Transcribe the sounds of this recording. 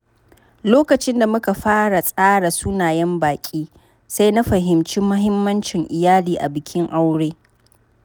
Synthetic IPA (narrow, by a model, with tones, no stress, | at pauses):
loː˦kɐ˨t͡ʃɪ˦nda˨mʊ˦ka˨ɸaː˦ɽa˨sʼaː˦ɽa˨suː˦naː˨jɛ˦mbaː˨kʲʼiː˦ | sa˦jna˦ɸɐ˨ɦɪ˨mt͡ʃi˦mːʊ˦ɦɪ˦mːɐ˦nt͡ʃɪ˨ŋʔɪ˨jaː˦liː˨ʔa̰˨bɪ˨kʲʰɪ˦ŋʔa˦wɽeː˦